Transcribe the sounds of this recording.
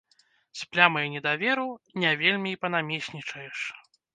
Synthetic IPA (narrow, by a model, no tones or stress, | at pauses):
sʲplʲamɐjunʲɛd̪avʲɛɾunʲavʲelʲmʲiːpɐnamʲesʲnʲit͡ʂɐjɛʂ